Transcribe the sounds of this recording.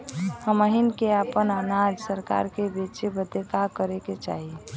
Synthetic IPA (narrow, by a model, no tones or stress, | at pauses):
həməɦinkeapənənad͡ʒsəɾka̰ɾkebet͡ʃebəd̪ʱet̪akəɾeket͡ʃa̰ɦi